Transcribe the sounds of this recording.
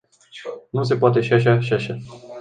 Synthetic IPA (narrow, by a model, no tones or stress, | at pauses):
nus̬e̞poat̪e̞ʃiaʃ̬aʃiaʃa